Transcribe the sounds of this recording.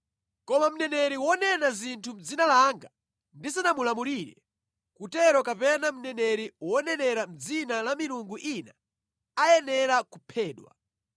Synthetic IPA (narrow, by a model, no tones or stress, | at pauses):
kɔmam̩nɛnɛɾiwɔnɛnazintʰum̩d͡zinalaŋɡa | ndisanamulamuɾiːɾɛ̰ | kutɛɾɔkapɛnam̩nɛnɛɾiwɔnɛnɛɾam̩d͡zinalamiɾuŋɡuʔina | ajɛnɛɾakupʰɛːɗwa̰